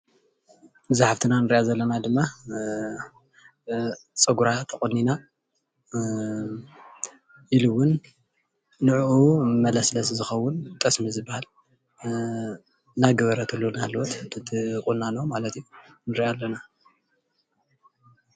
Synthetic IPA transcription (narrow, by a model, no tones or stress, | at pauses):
ɨzaħaft̪ʰɨnanɨɾiʔazɐlːɐnad̪ɨmːa | t͡sʼɐɡuɾat̪ʰɐχʼɐnːina | ʔiluwːʊnː | ɨʕʔumɐlɐslɐszɨxɐwːʊnt̪ʰʼɐsmizɨbːahal | naɡɐβɐɾɐt̪ʰɨlːonahlwot̪t̪ʰɨt̪ʰɨkʼunːanomalɐt̪junɨɾʔalːɐna